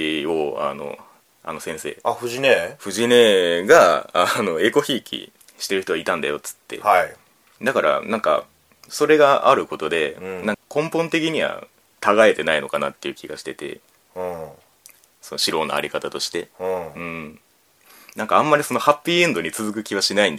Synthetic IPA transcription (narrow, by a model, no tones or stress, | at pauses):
o̞a̰no̞̰ | a̰no̞sẽ̞ɰ̃se̞̰ːaɸɯ̟ʑineɸɯ̟ʑine̞ɡaːno̞e̞ko̞çiːkʲḭ | ɕi̥t̪e̞ɾɯ̟çit̪o̞ait̪ãnd̪a̰jo̞t͡sɨ̥t̪ːe̞̰hai | d̪akaɾʔa̰nãŋka̰ | so̞ɾe̞ɡaʔaɾɯ̟ko̞t̪o̞d̪e̞nãkkõ̞mpõ̞nt̪e̞k̬ʲiɲ̟iβa̰ | t̪aɡae̞t̪e̞naino̞kana̰t̪ːe̞iɯ̟ːkʲiɡaɕi̥t̪e̞t̪e̞̰ | so̞no̞ɕiɾo̞ːna̰a̰ɾʲikat̪at̪o̞ɕi̥t̪ẽ̞ɯ̟̃ɴ | nãŋkaãmːaɾʲiso̞no̞hapʲːiːẽ̞nd̪o̞ɲ̟it͡sɨzɨk̬ɯ̟kʲiβaɕinaĩnd̪a